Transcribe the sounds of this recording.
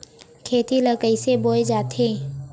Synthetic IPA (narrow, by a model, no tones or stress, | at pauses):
kʰeːt̪iləkəiseboːed͡ʒaːt̪ʰeː